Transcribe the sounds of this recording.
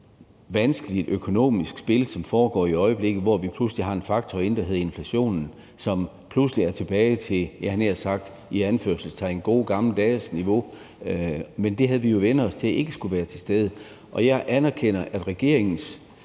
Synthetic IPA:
ʋænsɡ̥əlid̥økʰo̝no̝̰ːmisɡ̥sb̥e̝lsɒ̽mfɒːɡ̥ɒ̰ːiɒ̽ɪəb̥le̝ɡ̥ð̩ˠʋɒʋipʰlusəliɦɑ̈e̝nfɑ̈ɡ̥̚t͡sʰɒ̽e̝nd̥æɦe̝ðˠe̝nflæɕo̝̰ːnn̩ | sɒ̽m | pʰlusliæɐt͡sʰe̝b̥ɛːɪt͡sʰe̝ljæhæneɐsɑ̈ɡ̥̚d̥ | iænføɐ̰sl̩st͡sʰɑɪenɡ̥o̝ːɡ̥ɑ̈ml̩d̥ɛːsniʋo̝ | mend̥e̝ɦæð̩ˠʋijo̝ʋen̰ð̩ˠɒ̽st͡sʰe̝æʔe̝ɡ̥əsɡ̥uʋæːɐt͡sʰe̝sd̥eð̞ˠə | ʔɒ̽jɑ̈ɪʔænæɐkʰen̰ɐʔæd̥ʁɛɡ̥e̝ɐe̝ŋn̩s

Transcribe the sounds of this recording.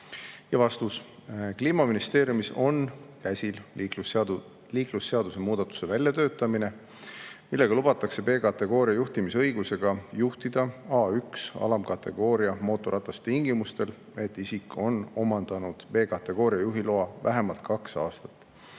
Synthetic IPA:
jɑvɑst̪uskliːmɑminist̪e̞ːɾjumiso̞nkæsʲil | liːklusːe̞ɑd̪̥use̞muːd̪ɑt̪ːˑu̥se̞vælʲjɑt̪ø̞ːt̪ˑːɑmine̞ | milːe̞ɡ̥ɑlub̥ɑt̪ːˑɑkse̞pe̞ːkɑt̪ːˑe̞ɡ̥o̞ːɾiɑjuht̪imisɤjɡ̥use̞ɡ̥ɑjuht̪id̪̥ɑɑːyksɑ̰lɑmkɑt̪ːe̞ɡ̥o̞ːɾiɑmo̞ːt̪ːˑoɾʔɑt̪ːˑɑst̪iŋɡ̥imust̪e̞l | e̞t̪ˑːisikːo̞no̞mɑnd̪̥ɑnud̪̥pe̞ːkɑt̪ːˑe̞ɡ̥o̞ːɾijɑjuɦiloɑvæɦe̞mɑlt̪kɑksɑːst̪ɑ̥t̪ːˑ

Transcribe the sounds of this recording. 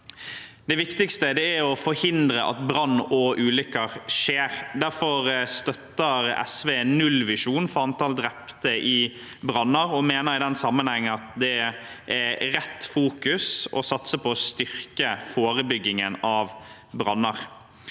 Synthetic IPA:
d̪ɛʋɪkt̪ɪkst̪əd̪ɛæɾɔfɔɾhɪnd̪ɾəʔɑ̰t̪bɾɑnːɔʔʉːlʏkːəɾʂeːɾd̪æɾfɔɾst̪œt̪ːəɾɛ̰sʋeːnnːʉlːʋɪʂuːnfɔɾɑnt̪ʰɑld̪ɾɛpt̪əʔɪ | bɾɑnːəɾɔmeːnəɾɪd̪ɛnsɑmːənhɛŋːənɑt̪d̪ɛ | ʔæɾɛt̪ːfuːkʉsɔ̰sɑt̪səpʰɔːst̪ʏɾkəfoːɾəbʏɡːɪŋənɑʋ | bɾɑnːəɾ

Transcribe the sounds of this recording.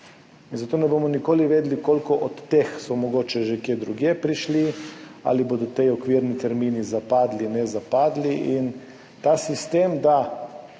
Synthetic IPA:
inzat̪oːnɛbomɔnikoːliʋeːd̪likoːlkɔʔɔt̪ːexsɔmɔɡoːt͡ʃɛʒekjeːd̪ɾuɡjepɾiʃlia̰liboːd̪ɔt̪ejɔkʋiɾnit̪ɛɾminizapaːd̪linɛzapaːd̪liʔin | t̪aːsist̪emd̪a

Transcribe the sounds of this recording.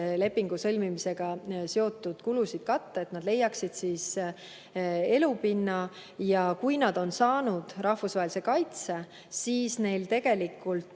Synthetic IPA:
le̞pːiŋɡ̥usɤ̞lʲmimise̞ɡ̥ɑseo̞t̪ːˑud̪̥kulusid̪̥kɑt̪ːɑet̪nɑd̪le̞jːɑksid̪̥siːs | e̞lupinːɑ | jɑkujnɑd̪o̞nsɑːnud̪̥rɑhvusvɑɦelise̞kɑjt̪se̞ | siːsne̞jlt̪e̞ɡ̥e̞likːˑult̪

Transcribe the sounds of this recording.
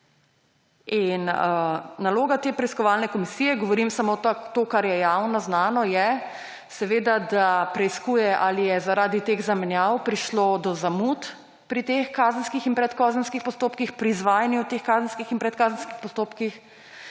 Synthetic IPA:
inənaloːɡat̪eːpɾɛiskɔʋaːlnɛkɔmisiːjɛɡɔʋɔɾimsamot̪t̪oːkaɾjɛjawnɔznaːnɔjɛ | sɛʋeːd̪ad̪apɾɛiskuːjɛʔalijɛzaɾaːd̪it̪eːɣzamɛnjawpɾiʃlod̪ɔzamut̪ | pɾit̪exkaːzən̩skixinpɾɛt̪kɔːzənskixpɔst̪oːpkixpɾiːzʋaːjɛnjiwt̪exkaːzən̩skixinpɾɛt̪̚kaːzənskixpɔst̪oːpkix

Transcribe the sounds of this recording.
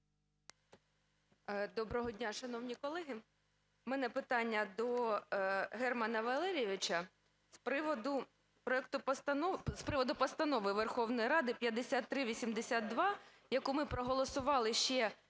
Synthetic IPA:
d̪ɔbɾɔɦɔdʲnʲaʃɐnɔwnʲikɔlˠɛɦɪ | mɛnɛpɪt̪ɑnʲːɐd̪ɔ | ɦɛrmɐnɐʋɐlˠɛɾʲieʋʲɪt͡ʃɐ | spɾɪʋɔd̪ʊ | pɾɔɛk̚t̪ʊpt̪nɔspɾɪʋɔd̪ʊpɔst̪ɐnɔʋɪʋerxɔwnɔjiɾɑd̪ɪpʲjɐd̪esʲat̪ːɾɪʋʲisʲimd̪esʲad̪d̪ʋɑ | jɐkumɪpɾɔɦɔlˠɔsʊʋɑlˠɪʃt͡ʃɛ

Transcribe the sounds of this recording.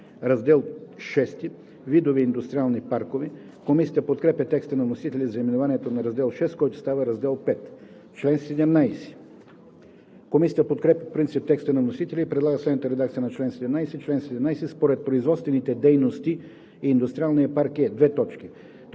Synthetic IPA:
ɾɐzd̪ɛlˠʃɛst̪i | vid̪oviind̪ʊst̪ɾʲialˠnipaɾkovɛ | komisʲjɐt̪əpot̪kɾɛpʲɐt̪ɛkst̪ənɐvnosit̪ɛlʲizɐimɛnovanʲiɛt̪onɐɾɐzd̪ɛlˠʃɛst̪kɔjt̪ʊ̥st̪avəɾɐzd̪ɛlˠpɛt̪ | t͡ʃlɛnsɛd̪ɛmnajsɛ̥ | komisʲiɐt̪əpot̪kɾɛpjɐfopɾint̪sip̚t̪ɛkst̪ənɐvnosit̪ɛlʲiːpɾɛd̪lˠaɡəslɛd̪nət̪əɾɛd̪ak̚t̪siənɐt͡ʃlɛnsɛd̪ɛmnajsɛt͡ʃlɛnsɛd̪ɛmnajsɛspoɾɛt̪̚pɾoizvɔt̪st̪vɛnit̪ɛd̪ɛjnost̪i | iːnd̪ʊst̪ɾialˠniɐpaɾkɛd̪vɛt̪ɔt͡ʃki

